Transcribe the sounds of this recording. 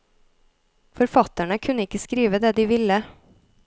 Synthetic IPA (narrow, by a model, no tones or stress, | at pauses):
fɔɾfɑt̪ːæɳəkʰʉnəɪkːəskɾiːʋəd̪eːd̪ɪʋɪlːə